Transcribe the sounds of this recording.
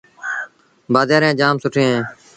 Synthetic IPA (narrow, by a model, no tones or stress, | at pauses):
baːd̪aːɾẽːd͡ʒaːmsʊʈʰẽːɦẽː